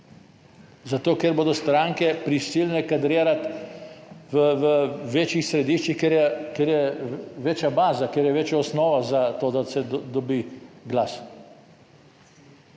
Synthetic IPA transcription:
zat̪oːkɛɾboːd̪ɔst̪ɾaŋkɛpɾisilnɛkad̪ɾeːɾat̪ | ʋəʋəʋeːt͡ʃjixsɾɛd̪iʃt͡ʃixkeɾjɛkeɾjɛʋeːt͡ʃjabaːzakeːɾjɛʋeːt͡ʃjaɔsnɔːʋazat̪oːd̪asɛd̪ɔbiɡlas

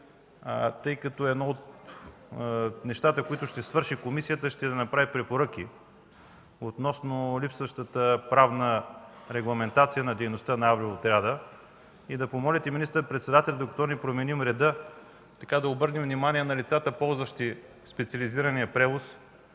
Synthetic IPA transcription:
t̪ɤjkɐt̪ɔɛd̪nɔot̪ | nɛʃt̪at̪əkoit̪ʊʃt̪ɛsvɤɾʃikomisijət̪əʃt̪ɛd̪ɐnɐpɾavipɾɛpoɾɤk̟i | ot̪nɔsnolipsvɐʃt̪ət̪əpɾavnə | ɾɛɡlˠɐmɛnt̪at̪sijənɐd̪ɛjnost̪ənɐavɾiot̪ɾʲad̪ə | id̪ɐpomɔlʲɛt̪ɛminist̪əɾpɾɛt̪sɛd̪at̪ɛlʲd̪okɐt̪ɔnipɾomɛnimɾɛd̪ə | t̪ɐkad̪ɐobɤɾnɛmvnimaniɛnɐlit̪sat̪əpɔlˠzvəʃt̪i | spɛt̪siɐliziɾɐnijəpɾɛvos

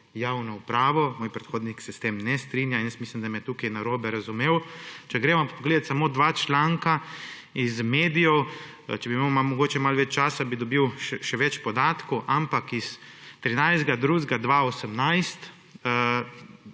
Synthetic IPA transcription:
jaːwnɔupɾaːʋɔmoːjpɾɛt̪xoːd̪niksɛst̪emnɛst̪ɾinjainjəsmislimd̪amɛt̪uːkajnaɾoːbɛɾazumeːwt͡ʃɛɡɾeːʋamppɔɡleːd̪at̪samoːd̪ʋat͡ʃlaːŋka | izmeːd̪ijɔw | t͡ʃɛbimamamɔɡoːt͡ʃɛmalʋɛt͡ʃt͡ʃaːsabid̪ɔbiwʃɛʃɛʋɛt͡ʃpɔd̪aːt̪koʔampakis | t̪ɾinajzd̪ɡad̪ɾuːzɡad̪ʋaosəmnajst̪

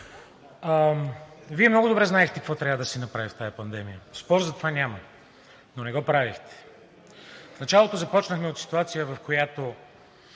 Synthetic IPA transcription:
viɛmnɔɡʊd̪obɾɛznaɛxt̪ɛkɐkvɔt̪ɾʲavəd̪ɐsinɐpɾavift̪ajɐpɐnd̪ɛmijəspɔɾzɐt̪ovanʲamɐ | nonɛɡɔpɾavixt̪ɛ̥ | fnɐt͡ʃalˠot̪ozɐpɔt͡ʃnəxmɛot̪si̥t̪uat̪sijəvɐfkʰojat̪o

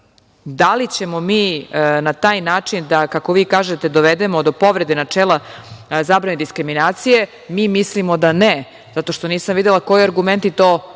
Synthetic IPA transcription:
d̪alit͡ɕe̞momiːnat̪aːjnaːt͡ʂind̪akako̞ʋiːkaːʒet̪e̞d̪oʋed̪emod̪opo̞ʋɾed̪enat͡ʂeːlˠazaːbɾaned̪iskɾiminaːt̪sije̞ | miːmislimo̞d̪ane | z̥at̪o̞ʃt̪o̞niːsamʋid̪elˠako̞jiaɾɡument̪it̪oː

